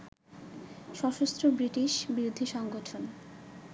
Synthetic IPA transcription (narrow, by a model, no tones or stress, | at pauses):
ʃɔʃost̪ɾobɾiʈiʃbiɾod̪ʱiʃɔŋɡoʈʰon